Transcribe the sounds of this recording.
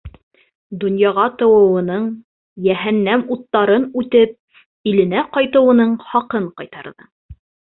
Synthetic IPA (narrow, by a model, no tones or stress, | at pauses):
d̪ŏnjɑʁɑt̪ɤ̆wɤ̆wɤ̆nɤɴ | jæɦænːæmut̪ːɑɾɤnʉt̪ɘp̚ | ilɘ̆næqɑjt̪ɤ̆wɤ̆nɤɴχɑqɤɴqɑjt̪ɑɾðɤ